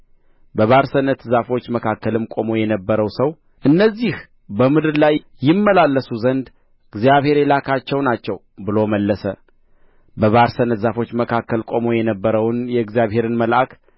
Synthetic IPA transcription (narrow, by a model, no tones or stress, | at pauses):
bəβaɾsənːət̪zafo̞t͡ʃːməkʰakːəlɨmkʼo̞mo̞jɛnəbːəɾəwsəw | ʔɨnːəzːih | bəmɨd̪ɨɾlajːɪmːəlalːəsuzənd̪ | ɨɡzijaβhe̞ɾelakʰat͡ʃːɛwnat͡ʃːɛw | bɨlo̞məlːəsə | bəβaɾsənːət̪zafo̞t͡ʃːməkʰakːəlkʼo̞mo̞jɛnəbːəɾəwnjɛɨɡzijaβhe̞ɾɨnməlʔak